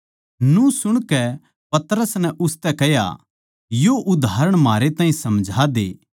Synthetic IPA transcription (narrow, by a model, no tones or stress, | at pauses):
nũsʊɽ̃kɛ | pɐt̪əɾəsnɛʔʊst̪ɛkɛja̰ | joʔʊd̪ʱaːɾəɽ̃maːɾet̪ãːɦĩsɐmd͡ʒʱad̪ḛː